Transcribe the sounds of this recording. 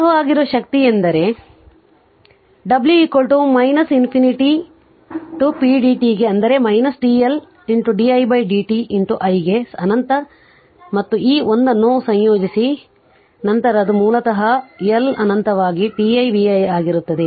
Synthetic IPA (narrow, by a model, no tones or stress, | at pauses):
ɐɦɐaːɡiɾoːʃɐk̚t̪iend̪ɐɾe̞ | ɖɐbljuikoɭʈumɐjnɐsinpʰiniʈi | ʈupiːɖiːʈiɡe̞ɐnd̪ɐɾe̞mɐjnɐsɖiːel | iɳʈuɖiːɐjbɐjɖiːʈiʔinʈ̪uʔɐjɡesɐnɐnt̪ɐ | mɐt̪ːuiːond̪ɐnːusɐ̃ɲjoːd͡ʒisi | nɐnt̪ɐɾɐd̪umuːlɐt̪ɐɦɐjɐlɐnɐnt̪ɐʋaːɡiʈiɐjbiɐjaːɡiɾut̪ːɐd̪e